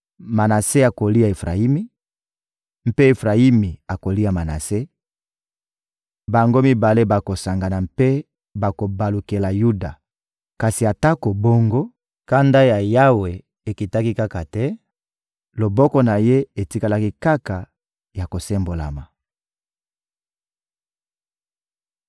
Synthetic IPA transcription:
ma˨na˨se˦a˨ko˨li˦a˨e˨fʁa̰˨i˦mi˦ | m̩˦pe˦e˨fʁa˨i˦mi˨a˨ko˨li˦a˨ma˨na̰˨se˦ | ba˨ŋɡo˦mi˨ba˨le˦ba˨ko˨sa˨ŋɡa˨na˨mpe˦ | ba˨ko˨ba˨lu˨ke˨la˨ju˦da˨ | ka˨si˨a˨ta˦ko˨bo˦ŋɡo˦ | ka˦nda˦ja˨ja˦we˨ | e˨ki˨ta˦ki˦ka˦ka˨tɛ˦ | lo˨bɔ˦kɔ˦na˨je˦e˨ti˦ka˦la˦ki˦ka˦ka˨ | ja˨ko˨se˦mbo˨la̰˨ma˨

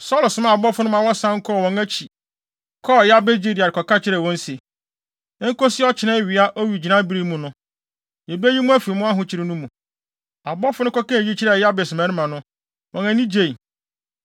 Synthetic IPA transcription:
sɔ˦˨lsʊ˨˦mã˦˨a˨bɔ˦fʊ˦nʊ̃˦mã˨wɔ˦sã˦ŋ̩˦kʰɔ˦˨wɔ̃˨ŋæ˦t͡ɕʰi˨ | kʰɔ˦˨ja˦be˦d͡ʑi˦˨di˨a˨ɾɪ˨kʰɔ˨ka˦t͡ɕʰɪ˦ɾɛ˨wɔ̃˦n˦se˨ | ɛ˦ŋ̩˦ko˦sɪ˦ɔ˦t͡ɕʰɪ˨nã˦ɥi˨a˦ʔɔ˦ɥi˨d͡ʑi˨nã˦bi˦ɾi˦mũ˨nʊ̃˦ | jɛ˨bæ˦ji˦mũ˦æ˦fi˨mʊ̃˦a˦ɦʊ̃˦t͡ɕʰɪ˨ɾɪ˦nũ˦mũ˨ | a˨bɔ˦fʊ˦nʊ̃˦kɔ˦kã˦e˨ji˦t͡ɕʰi˦ɾɛ˦˨ja˦be˨sʊ˨mã˦ɪ̃˦mã˨nʊ̃˦ | wɔ̃˨næ̃˨nĩ˦d͡ʑe˦˨i˨

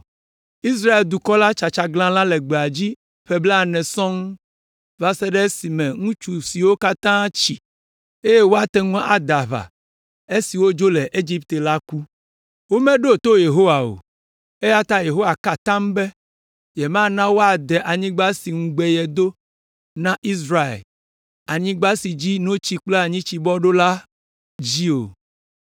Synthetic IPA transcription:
i˦s̬ɾa˦e˨ld̪u˨kɔ˦la˦t͡ʃa˨t͡ʃa˨ɡlã˦lã˦lɛ˨ɡ͡be˨a˨d͡ʑi˦ | ɸɛ˦bla˦˨nɛ̃˨sɔ̃˦ŋ˦ | va˦sɛ˦ɖɛ˦si˨mɛ̃˨ŋũ˦t͡ʃu˨si˨wo˦ka˦t̪ã˦t͡ɕi˨ | e˦je˦wo˦a˨t̪ɛ˦ŋũ˦ʔa˨d̪a˨βa̰˨ | e˦si˨wo˦d͡ʒo˦lɛ˨ʔe˦d͡ʒi˦p̚t̪e˨la˦ku˦ | wo˦mɛ̃˦ɖo˦˨t̪o˦je˨ɦo˦wa˨o̰˨ | e˦ja˦t̪a˦je˨ɦo˦wa˨ka˨t̪ã˦mbɛ˦ | jɛ˨mã˦nã˦wo˦a˨d̪ɛ˨ʔa˨ɲĩ˦ɡ͡ba˦si˨ŋ̩̃˦ɡ͡bɛ˨jɛ˨d̪o˦ | nã˦ʔi˦sɾa˦ḛ˨l | a˨ɲĩ˦ɡ͡ba˦si˨d͡ʑi˦nõ˦t͡ɕi˦k͡ple˦a˨ɲĩ˦t͡ɕi˨bɔ˦ɖo˦la˦ | d͡ʑi˦o̰˨

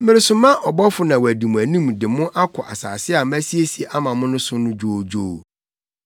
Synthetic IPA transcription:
mɪ̃˦ɾɪ˦sʊ˦mã˦ʔɔ˨bɔ˦fʊ˦nã˨wæ˨di˨mũ˨æ˨nĩ˦mdɪ˨mʊ̃˦ʔa˦kʰɔ˨ʔa˨sa̰ː˨sɪ˦a˨mæ̃˦si˦e˦si˨e˨ʔa˦mã˨mʊ̃˦nʊ̃˦sʊ˦nʊ̃˦d͡ʑᶣo˦d͡ʑoː˦˨

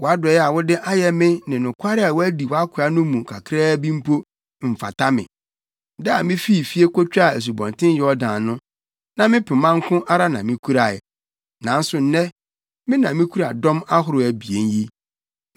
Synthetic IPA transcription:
wɔ˨a˦dʊ˨ɔ˨jɛ˦a˨wʊ˦dɪ˦ʔa˦jɛ˦mɪ̃˦nɪ̃˨nʊ̃˨kʰʷa˦ɾɪ˦a˨wɔ˦æ˦di˨wa˦kʰʊ˨a˦nʊ̃˦mũ˨kʰa˨kʰɾɛː˦bĩ˦m̩˦pʰo˦ | m̩˨fa̰˨tʰa˦mɪ̰̃˨ | dɛ˦a˨mɪ̃˦fi˦˨fi˦e˦kɔ˦t͡ɕᶣa˦˨æ˨s̬u˨bɔ̃˨ntʰɪ̃˦n˦jɛ˨˦ɔ˦dãː˨nʊ̃˦ | nã˨mɪ̃˦pʰɪ˨mã˦ŋ˦kʰʊ̃˦ʔa˦ɾa˦nã˨mɪ̃˦kʰu˦ɾa˨ɪ˨ | nã˨n̩˦sʊ˨n̩˦nɛ̃˦ | mɪ̃˦nã˨mɪ̃˦kʰu˦ɾa˨dɔ̃˦ma˦ɦʊ˦ɾʊ˨æ˨bi˨e˦nji˦

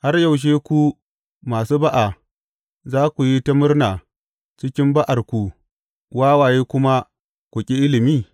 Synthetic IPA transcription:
ha˦rja˨wʃ̬eː˦kʷu˦ | maː˨suː˦ba˦ʔa˨ | zaː˦kʷu˨ji˦ta˦mʊ˦rnaː˨ | t͡ʃɪ˦kʲɪ˦mba˦ʔa˨rkʷu˨ | waː˦waː˨jeː˦kʷʊ˦ma˦ | kʷʊ˨kʲʼi˦ʔɪ˦lɪ˨miː˦

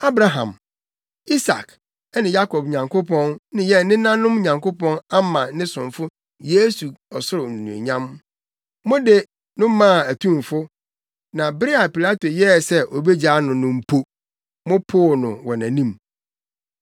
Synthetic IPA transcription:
a˦bɾa˨ɦã̰˨m | i˦sa̰˨k | ɛ˦nɪ̃˨ja˦kʰɔ˨b̚ɲã˨ŋkʰo˦pʰɔ̃˦nnɪ̃˦jɛ˦nɪ̃˦nã˦nʊ̃˦m˦ɲã˨ŋko˦pɔ̃˦na˦mã˨nɪ̃˦sʊ̃˨ɱfʊ˦ | je˦su˨ɔ˨sʊ˦ɾʊ˨ñ˨nṵ̃˨ḛ˨ɲã˦m | mɔ̃˦de˨ | nʊ̃˦mã˦˨æ˨tʰũ˦˨m˨fʊ˦ | nã˨bɾɪ˦a˨pi˨la˦to˨jɛ˦˨sɛ˦ʔo˨be˦d͡ʑaː˦nʊ̃˨nʊ̃˨m̩˨pʰo˦ | mʊ̃˦pʰo˦˨nʊ̰̃˨wɔ˨næ̃˨nĩ˦m

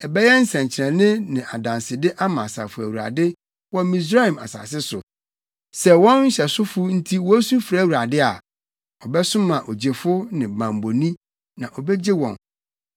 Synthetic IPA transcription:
ɛ˨bɛ˦jɛ˦n̩˦sɛ̃˨ɲt͡ɕʰɪ˨ɾɛ̃˨nɪ̃˦nɪ̃˨ʔa˨dã˨nsɪ˨dɪ˦ʔa˦mã˨sa̰˨fʊ˨æ˨wu˨ɾa̰˨dɪ˦ | wɔ˦mĩ˨s̬ɾa˦i˨ma̰˨sa̰ː˨sɪ˦sʊ̰˨ | sɛ˦wɔ̃˦nɲ̩˦ɕɛ˨sʊ˦fʊ˦n̩˦tʰi˦wɔ˦sũ˦fɾa˦˨wu˨ɾa˨dɪ˦a˨ | ɔ˨bɛ˦sʊ̃˦mã˨ʔo˨d͡ʑe˨fʊ˦nɪ̃˨bã˨mbo˨nĩ˦ | nã˨ʔɔ˨bɛ˦d͡ʑe˦wɔ̰̃˨n

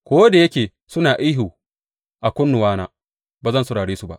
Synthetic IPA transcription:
kʷoː˦da˨jɐ˦kʲeː˨ | sʊ˦naː˨ʔa˦ɦuː˨ | ʔa˨kʷʊ˦nːʊ˨waː˦naː˦ | baː˨zɐ˦˨nsʊ˨ɽaː˨ɽeː˦su˦ba̰˦ʔ

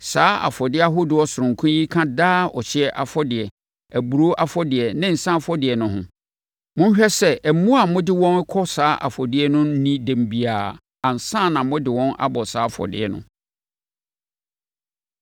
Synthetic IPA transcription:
saː˦a̰˨fɔ˨dɪ˦a˦ɦʊ˦dɪ˨ɔ˦sʊ˨ɾʊ̃˨ŋ̩˨kʰũ˦ji˦kʰã˦daː˦ɔ̰˨ɕɪ˦ɛ˦ʔa˨fɔ˦dɪ˨ɛ˨ | æ˨bu˨ɾo˦ʔa˦fɔ˦dɪ˨ɛ˨nɪ̃˦n̩˨sã˦fɔ˦dɪ˨ɛ˨nʊ̃˦ɦʊ̰̃˦ | mʊ̃˦n˦ɕᶣɛ˦sɛ˦ʔæ˨mũ˦a˨mʊ̃˦dɪ˦wɔ̃˦n˦kʰɔ˦saː˦ʔa̰˨fɔ˨dɪ˨˦ɛ˦nʊ̃˦n̩˦nĩ˦dæ̃˨m˨bi˨aː˨ | ã˨n̩˨sã˦˨nã˨mʊ̃˦dɪ˨wɔ̃˦na̰˦bɔ˨saː˨˦fɔ̰˨dɪ̰˦ɛ̰˨nʊ̰̃˦

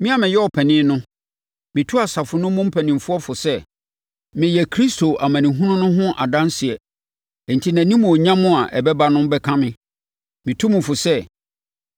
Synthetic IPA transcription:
mɪ̃˦a˨mɪ̃˨jɛ˦ɔ˨pʰɛ˨nɪ̃ː˦nʊ̃˦ | mɪ̃˨tʰu˦a˨sa˨fʊ˨nʊ̃˦mʊ̃˦m̩˦pʰɛ˨nɪ̃˨mfʊ˦ɔ˦fʊ˨sɛ˦ | mɪ̃˨jɛ˨kʰɾi˦stʰo˨ʔa˨mãæ̃˨nĩ˨ɦũ˦nʊ̃˦nʊ̃˦ɦʊ̃˦ʔa̰˨dã˦nsɪ˨ɛ˨ | n̩˨tʰi˦nã˨nĩ˦mʊ̃˨ɔ˨ɲã˦mʊ̃˦a˨ʔɛ˨bɛ˦ba˦nʊ̃˦m˦bɛ˦kʰã˦mɪ̃˦ | mɪ̃˨tʰũ˦mʊ̃˨fʊ˨sɛ˦

